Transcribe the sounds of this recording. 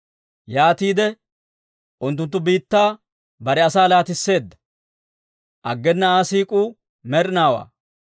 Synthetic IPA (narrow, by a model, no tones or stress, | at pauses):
jaːt̪iːd̪ɛ | ʔʊnt̪̬ːʊnt̪ːʊbiːt̪ːaː | bɐɾɛɐsaːlaːt̪ɪsːe̞ːd̪ːɐ̥ | ʔɐɡːɛnːɐaːsiːkʼuː | mɛɾnaːwa̰ː